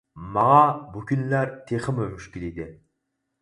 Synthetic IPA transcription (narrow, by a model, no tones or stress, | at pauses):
mɑʁɑbukʲʰynlæɾt̪ʰeχɪmømyʃkʲiled̪ɪ